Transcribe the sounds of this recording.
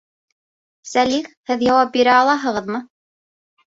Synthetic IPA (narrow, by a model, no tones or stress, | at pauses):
sæliχhɘðjɑwɑp̚biɾæɑlˠɑɦɤ̆ʁɤðmɤ